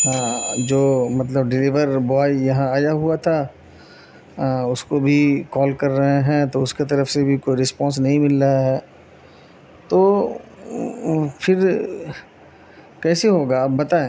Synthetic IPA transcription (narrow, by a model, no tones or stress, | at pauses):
ɦãːd͡ʒoːmɐt̪̬ləbɖɪliʋəɾbɔaːjjɐɦãaːjaɦuat̪ʰa | ʊskobʱikɔːlkɐɾːɐɦeɦɛ̃t̪oʊsket̪̬ɐɾəfsebʱikoːiɾɪspɔ̃ːns̬nɐɦĩmɪlːaɦɛː | t̪oː | pʰɪɾ | kɛːseɦoːɡaːpbɐt̪aːẽ